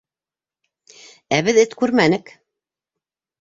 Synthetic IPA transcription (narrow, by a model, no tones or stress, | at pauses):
æβɘðɘt̪kʉɾmænɘk